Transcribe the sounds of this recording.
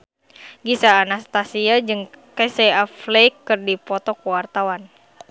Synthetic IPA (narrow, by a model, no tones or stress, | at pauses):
ɡisaːnast̪asiad͡ʒɨŋkesɛaflejkːɨrdipɔt̪ɔkuwart̪awan